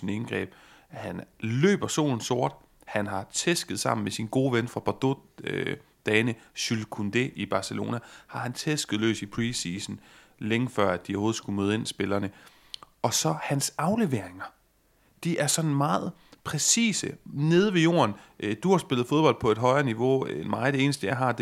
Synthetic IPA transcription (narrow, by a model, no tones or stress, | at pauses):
inenɡ̥ʁɛ̰ːb̥ | hænlø̰ːb̥ɐso̝̰ːln̩so̝ɐd̥ | hænɦɑ̈t͡sʰesɡ̥ð̞̩ˠsɑ̈m̰n̩mesinɡ̥o̝ːʋenfʁɑ̈b̥ɑd̥o | d̥ɛːnəɕylkʰund̥eʔib̥ɑ̈ːsəlo̝̰ːnæhɑ̈hænt͡sʰesɡ̥ð̩ˠlø̰ːsipʰʁisiːsn̩ | leŋəfɶɐ̰æd̥ioo̝ːð̩ˠsɡ̥umøːð̞̩ˠe̝nisb̥e̝lɐːnə | ɒ̽sɒ̽hænsɑ̈ʊle̝ʋeɐ̰eŋɐ | d̥iʔæɐsɒ̽nn̩mɑ̈ːð̩ˠ | pʰʁɛsḭːsəne̝ð̞ˠʋe̝jo̝̰ːɐnʔd̥uhɑ̈sb̥e̝lð̞̩ˠfo̝ð̞ˠb̥ɒ̽l̰d̥pʰɒ̽e̝d̥ɦɒ̽ɪɐniʋo̝nmɑ̈ɪð̩ˠd̥ee̝ːnəsd̥əjɑ̈ɦɑ̈d̥e